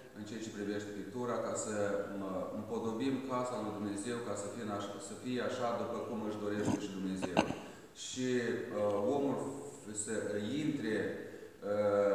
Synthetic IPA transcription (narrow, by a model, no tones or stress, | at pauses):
ɨnt͡ʃejat͡ʃe̞pɾive̞ʃt̪e̞pik̚t̪uɾakasəmɨmpo̞d̪o̞bimkasalujd̪umne̞ze̞wkasəfinaʃsəfijeaʃad̪upəkumɨʃd̪o̞ɾe̞ʃt̪eʃid̪umne̞ze̞w̰ | ʃi | o̞mulsəint̪ɾe̞ | ə